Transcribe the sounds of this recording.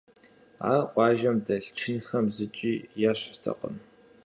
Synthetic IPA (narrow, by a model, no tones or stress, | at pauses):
a̰ːqʷɑːʒɐmdɐɬt͡ʃʰɪnxɐmzɨt͡ʃʼiːjaɕtʰɐ̰qə̰m